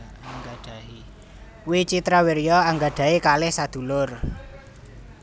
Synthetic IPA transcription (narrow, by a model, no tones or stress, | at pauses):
aŋɡaɖ̥a̤ɦi | wit͡ʃit̪ɾawiɾjɔaŋɡaɖ̥a̤ikalɪhsad̪̥ṳlʊr